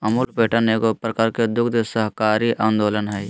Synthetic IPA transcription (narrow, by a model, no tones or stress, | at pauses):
əmuːlpeːʈənekopɾəkaɾked̪ʊkʰd̪səɦkaːɾiʔaːnd̪oːlənɦɛj